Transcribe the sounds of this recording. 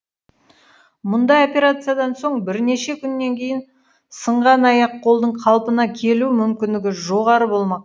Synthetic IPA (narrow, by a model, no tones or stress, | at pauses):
mʊnd̪ɑjopʲe̞ɾat̪sɨjad̪ɑnso̞ɴbɪɾne̞ʃe̞kʲʰʏnːe̞ŋkʲʰe̞jɪn | səɴʁɑnɑjɑqʰːo̞lˠd̪əɴqʰɑlˠpənɑkʲʰe̞lumʏmkʲɪnd̪ɪɡʲɪʒo̞ʁɑɾəbo̞lˠmɑq